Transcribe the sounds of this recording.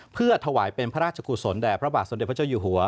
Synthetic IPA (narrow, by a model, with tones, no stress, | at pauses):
pʰɯ˥˩ɐət̪ʰa˧waː˩˦jpe˧npʰa˦˥ɾaː˥t̪t͡ɕʰa˧kʰuː˧so˩˦ndɛː˨˩pʰɾa˦˥baː˨˩t̪̚so˩˦nde˨˩pʰt͡ɕa˥˩juː˨˩ɦu˩˦ɐ